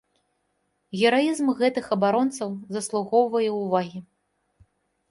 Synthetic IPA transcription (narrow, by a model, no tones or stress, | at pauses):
ɣʲɛɾajizmɣɛt̪ɨxɐbaɾɔnt̪sɐwzɐslˠuɣɔwvɐjɛwvaɣʲi